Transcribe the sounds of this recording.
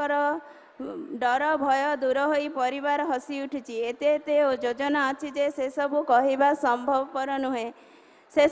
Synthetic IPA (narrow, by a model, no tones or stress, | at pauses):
ɔɾɔ | ɖɔɾɔbʱɔjɔd̪uɾɔɦojpɔɾibaɾɔɦɔsiuʈʰit͡ʃʰiet̪et̪eod͡ʒod͡ʒɔnaɔt͡ʃʰid͡ʒesesɔbukɔɦibasɔmbʱɔbɔpɔɾɔnuɦẽ | se